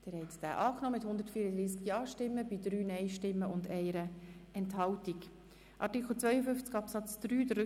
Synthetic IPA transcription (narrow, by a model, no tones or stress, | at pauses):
d̥ɪɾhɛɪtsd̥æ̰ːʔɑːknɔːmɪthʊnd̪əɾtfiːɾədɾiːs̬kjɑːʃtɪmːəbidɾyːnɛɪʃtɪmːəʊndɛɪɾəʔɛnthɑltik | ʔɑɾtɪkʰl̩t͡svœʏəfʏnft͡skɑpsɑt͡sd̪̥ɾyːdər